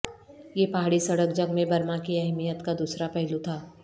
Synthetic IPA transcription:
jepaɦaːɽisɐɽək̚d͡ʒəɡmẽbɐɾmakiɛɦmijət̪kad̪uːsɾapɛɦlut̪ʰaː

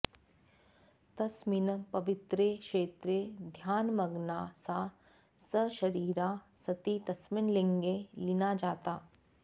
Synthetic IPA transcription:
t̪ɐsmɪnpɐʋɪt̪ɾeːkʃeːt̪ɾed̪ʱjaːnmɐɡnaːsa | səʃɐɾiːɾaːsɐt̪it̪ɐsmɪnlẽŋɡelɪnad͡ʒaːt̪aː

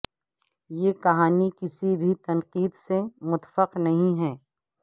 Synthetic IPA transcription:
jeːkɐɦaːnikɪsibʱit̪ɐnqiːd̪semʊt̪fəqnɐɦĩɦɛː

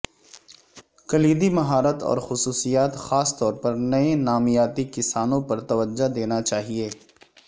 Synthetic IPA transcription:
kɐliːd̪imɐɦaːɾət̪ɔ̰ːɾxʊsuːsijaːt̪xaːst̪ɔːɾpɐɾnɐẽnaːmijaːt̪ikɪsaːnõpɐɾt̪ɐʋəd͡ʒːad̪eːnat͡ʃaːɦieː

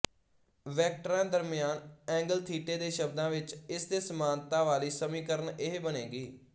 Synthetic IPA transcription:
ʋɛːk̚ʈɾãːd̪əɾmɪjaːnɛ̃ːŋɡəlt̪ʰiːʈeːd̪eːʃəb̚d̪ãːʋɪt͡ʃɪsd̪eːsəmaːnt̪ãːʋaːliːsəmĩːkəɾənɪɦebəneːɡiː

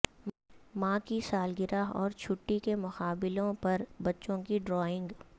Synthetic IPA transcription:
mãːkisaːlɡɪɾaɦɔːɾt͡ʃʰʊʈːikemʊxaːbɪlõpɐɾbɐtːʃõkiɖɾɔːɪ̃ŋɡ

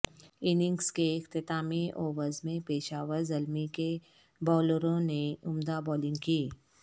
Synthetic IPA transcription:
ɪnɪ̃ŋɡskeɪxt̪ɪt̪aːmiʔɔːʋəɾzmẽpeːʃaːʋəɾzɐlmike | bɔːləɾõneʊmd̪abɔːlɪ̃ŋɡkiː

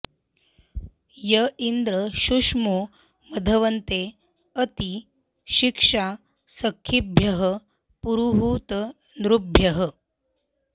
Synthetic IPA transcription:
jəind̪ɾəɕuʂmo | məd̪ʱəʋənt̪e | ət̪i | ɕikʂa | səkʰːibʱjɐɦə | puɾuɦut̪ | nɾubʱjəɦə

